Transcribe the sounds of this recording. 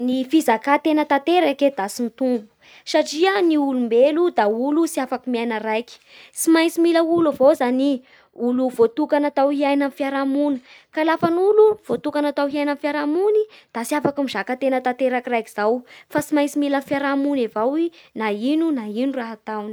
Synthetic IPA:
nifizakat̪enət̪at̪eɾaked̪asint̪umbu̥ | saʈ͡ʂiəniulumbelud̪aulusiafakimiajnəɾajki̥simajsimiləulavozani | uluvot̪ukanat̪awhiajnanfiaɾamunəkalafanuluv̥ot̪ukanat̪awɦiajnanfjaɾamunid̪̥asiafakumizakət̪enət̪at̪eɾakirajkiz̥awfasimajnsimilanfjaɾamunevawinainunainuraɦat̪awni̥

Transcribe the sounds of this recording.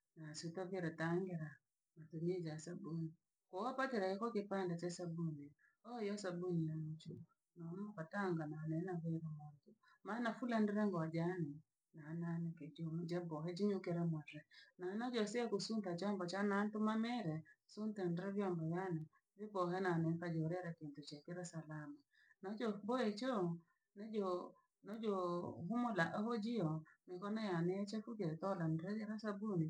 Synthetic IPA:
nasutɔveɾɛtaŋɡeɾa | matumed͡ʒasabuni | koɔpateɾakekɔkepandat͡ʃasabuni | ɔjɔsabuninamut͡ʃu | nɔmɔkataŋɡananɛnaβeɾɛmɔntu | manafulandɛɾɛŋɡɔd͡ʒani | nananeked͡ʒomd͡ʒɛbɔɦɛd͡ʒiɲokeɾɛmwaɾɛnanɔd͡ʒɔsiɛkusuntat͡ʃɔmbɔt͡ʃanantumamɛɾɛsuntandɾɛβjɔmbɔjanɛ | vibɔɦɛnanɛŋkad͡ʒɔɾɛɾakintut͡ʃɛkeɾɛsalama | nɔd͡ʒɔbɔɛt͡ʃɔ | nɛd͡ʒɔ | nɔd͡ʒɔɦumolaʔɛhɔd͡ʒiɔmekɔnajanɛat͡ʃɛfukeɾtɔlandiɾɛd͡ʒɛɾasabuni

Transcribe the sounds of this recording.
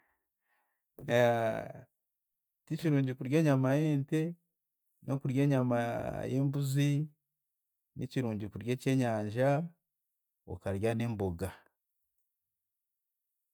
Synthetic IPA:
ticiɾuːɲɟikuɾje̞ːɲamajeːnte | no̞kuɾje̞ːɲama̰jeːmbuzi | nʔiciɾuːɲɟikuɾje̞ːce̞ːɲaːɲʒa | o̰kaɾjane̞ːmbo̞ɡa

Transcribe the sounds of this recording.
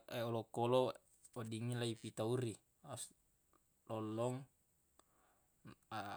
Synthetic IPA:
eolokolo | odiŋːilaipit̪auri | as | lolːɔŋ

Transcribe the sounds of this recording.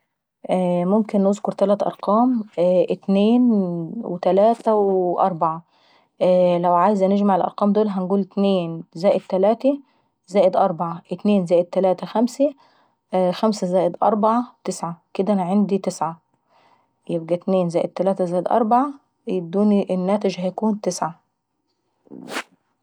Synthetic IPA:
ʔmomkenːozkoɾt̪ælæːt̪ʔɑ̰ɾˤqɑːmʔet̪neːnwet̪ælæːt̪æweʔɑ̰ɾˤbaʕa | læwʕaːjezæneʒmaʕelʔɑ̰ɾˤqɑːmd̪oːlɦænɡuːlet̪neːnzæːʔed̪̚t̪ːælæːt̪æ | zæːʔed̪ʔɑɾˤbaʕaʔet̪neːnzæːʔed̪̚t̪ːælæːt̪æxæmsæ | xæmsæzæːʔed̪ʔɑ̰ɾˤbaʕat̪ɪsʕaked̪æʔænæʕand̪it̪ɪsʕa | jebɡæt̪neːnzæːjʔed̪̚t̪ːælæːt̪æzæːʔed̪ʔɑ̰ɾˤbaʕa | bd̪uːnʔenːæːt̪ed͡ʒhæjækuːnt̪ɪsʕa

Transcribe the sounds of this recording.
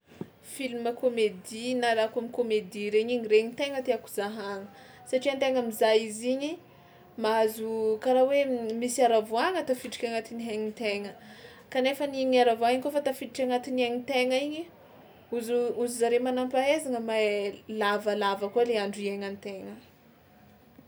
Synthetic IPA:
filiməkomed̪inaɾakamikomed̪iɾeɲiɲiɾeɲit̪eŋət̪eaku̥zaɦaŋə̥ | saʈ͡ʂiant̪eŋəmizajiziɲi | maazukaɾawemisiaɾavoaŋət̪afiʈ͡ʂi̥kʲaŋat̪iniɦeɲit̪eŋə | kanefəniɲiaɾavoaiɲkofat̪afiʈ͡ʂi̥kʲaŋat̪iniaŋit̪eŋəiɲi | uzuuzizaɾemanampaezaŋəmalavəlavəkaleaɳɖ͡ʐieŋant̪eŋə

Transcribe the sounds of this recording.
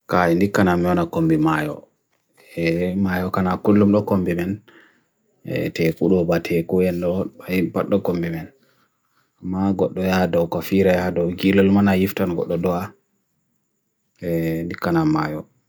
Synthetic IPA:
kaindikːanamɛɔnakombimajɔ̰ | ɛmajɔkanakulːumɗɔkombimɛn | ɛ̰tɛkuɗɔbatʰɛkuɛnɗɔajpaɗːɔkombimɛn | amːaɡɔɗːɔjadɔwkɔfiɾajadɔwɡilɔlmanajiftanɡɔ̰ɗːɔdɔa | ɛndikːanamːajɔ

